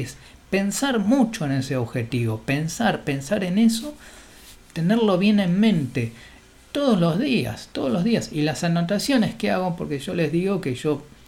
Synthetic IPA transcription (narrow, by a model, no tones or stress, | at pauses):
es | pe̞nsaɾmut͡ʃoene̞seoβxet̪iβo̞pensaɾpe̞nsaɾe̞ne̞so | t̪e̞neɾlo̞βje̞ne̞mmẽ̞nt̪e | t̪oðozlo̞zðia̰st̪oð̞ozlo̞zðiasilasanot̪asjo̞neskeaɣompo̞ɾkeʒo̞le̞zðiɣo̞keʒo̞